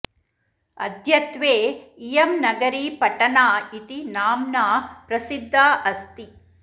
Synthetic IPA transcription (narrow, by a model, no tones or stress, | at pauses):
ɐ̰d̪ʱjɐt̪ʋeːijɐmnɐɡɐɾiːpɐʈɐnaːit̪inaːmnaːpɾɐsid̪ʱːaːʔɐst̪i